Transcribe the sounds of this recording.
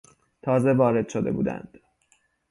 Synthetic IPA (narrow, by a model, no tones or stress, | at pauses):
t̪ʰɒːze̞vɒːɾe̞d̪̥ʃod̪e̞̰bṵːd̪æ̰nd̪̥